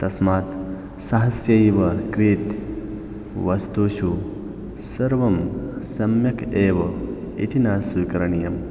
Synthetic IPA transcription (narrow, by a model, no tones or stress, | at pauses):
t̪ɐsmaːt̪ | sɐɦɐsjɐiːʋɐkɾiːt̪ | ʋɐst̪uːʃu | sɐɾʋɐmsɐmjɐkʰeːʋɐ | ḭt̪ʰinaːsikɐɾɐɳijɐm